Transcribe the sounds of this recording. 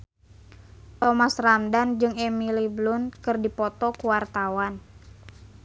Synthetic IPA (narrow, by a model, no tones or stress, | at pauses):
t̪ɔmasramdand͡ʒɨŋɛmiliblʊnkɨrdipɔt̪ɔkuwart̪awan